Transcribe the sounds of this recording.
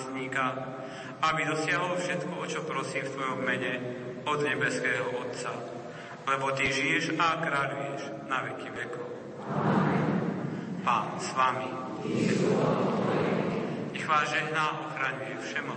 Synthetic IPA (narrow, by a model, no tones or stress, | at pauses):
sɲiːkax | abid̪ɔsɪaɦɔlɔfʃɛt̪kɔɔt͡ʃɔpɾɔsiːmft̪ʋɔjɔmːɛɲɛ | ɔd̪ɲɛbɛskɛːɦɔɔt̪t͡sa | lɛbɔt̪iʒijɛʒakɾaːʎujɛʒ | naʋɛkiʋɛkɔʊ | paːnsʋami | ɲɛɣʋaːzʒɛɦnaɔxɾaɲujɛfʃɛmɔ